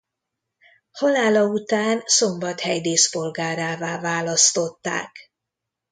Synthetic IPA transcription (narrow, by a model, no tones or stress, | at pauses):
hɒlaːlɒut̪aːnso̞mbɒt̪hɛjd̪eːspo̞lɡaːɾaːvaːvaːlɒst̪o̞t̪ːa̰ːk